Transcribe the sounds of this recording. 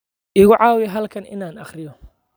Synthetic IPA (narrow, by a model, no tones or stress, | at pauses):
ʔɪɣʊʕɑːwɪjɦɐlkʰɐnʔɪ̰naːnɐχrɪjɔ